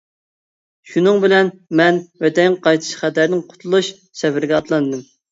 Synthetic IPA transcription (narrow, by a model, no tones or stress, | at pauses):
ʃunɨŋbɪlɛnmɛnwɛt̪ɛŋŋqɑjt̪ʰɨ̥ʃχæt̪æɾnɪŋqʰʊ̥t̪ʰulˠuʃ | sɛbɪɾɡʲɛɑt̪lˠɑnd̪ɨm